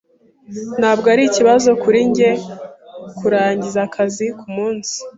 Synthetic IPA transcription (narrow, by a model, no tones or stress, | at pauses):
n̥haːbɡoaɾiciβazo̞kuɾiɲɟe̞ | kuɾaːɲɟizakʰazikumuːnsi̥